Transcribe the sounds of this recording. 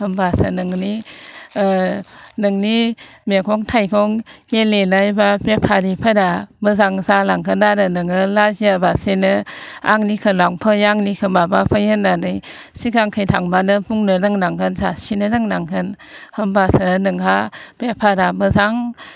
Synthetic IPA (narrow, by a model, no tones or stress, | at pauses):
hɯmbasanɯŋni | nɯŋnimekʰɔŋtʰajkʰɔŋkelenajbapepʰaɾipʰadabɯzaŋzalaŋkʰɯnadɯnɯŋɯlaziabasenɯa̰ŋnikʰɯlaŋpʰɯjaŋnikʰɯmabapʰajɯnanɯjsikʰaŋkʰɯjtʰaŋbanɯpuŋnɯnɯŋnaŋkʰɯnzasinɯnɯŋnaŋkʰɯnhɯmbasanɯŋkʰapepʰadamɯzaŋ